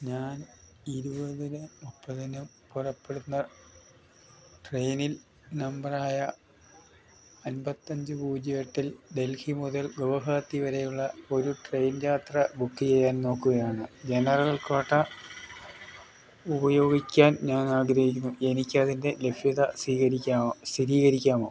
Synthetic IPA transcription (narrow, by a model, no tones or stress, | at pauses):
ɲaːn | iɾubɐðinɨmupːɐðinum | purɐpːe̞ɽunːɐ | ʈrejnil | nɐmbɐraːjɐ | ɐnbɐt̪ːɐɲd͡ʑɨbuːd͡ʑɐjeʈːilɖe̞lfimuðɐlɡoʋɐɦaːt̪ːiʋɐɾe̞juɭːɐo̞ɾuʈre̞jnjaːt̪rɐbukːit͡ɕejːaːnno̞ːkːuɣɐjaːɳɨd͡ʑenɐrɐlɐɭkaːʈːɐ | ubɐjo̞ːɡikʲːaːnɲaːnaːɡɾɐɦik̬ʲːunːuʔe̞nikʲːɐðinde̞le̞bʱjɐðɐsiːkɐɾikʲːaːsiɾiːɣɐɾikʲːaːmoː